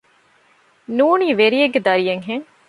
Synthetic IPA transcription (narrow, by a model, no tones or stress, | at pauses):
nuːniːʋeɾijeɡːed̪ɐɾijeŋɦeŋ